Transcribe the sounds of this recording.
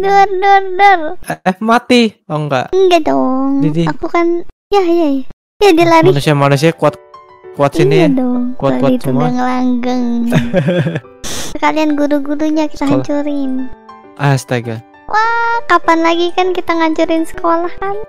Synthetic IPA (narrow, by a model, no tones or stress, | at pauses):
dʊrdʊrdʊrmat̪iaŋɡa̰ʔəɡadɔŋdidiakukan | jajaja | jadilaɾianusiamanus̬iakuat̪̚ | kuat̪siniadɔŋkuat̪dait̪uɡaŋlaŋɡəŋ | səkalianɡuɾuɡuɾuɲaki̥t̪aɦaɲt͡ʃuɾɪn | ʔast̪aɡa | wʔakapanlaɡikankit̪aŋaɲt͡ʃuɾɪnsə̥kolahkan